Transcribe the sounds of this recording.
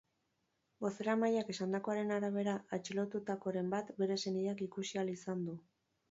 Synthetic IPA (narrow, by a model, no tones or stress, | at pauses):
bo̞se̞ɾamajake̞sand̪ako̞aɾe̞naɾaβ̞e̞ɾaat͡ʃilo̞t̪ut̪ako̞ɾe̞mbat̪be̞ɾe̞se̞niakikusialisand̪u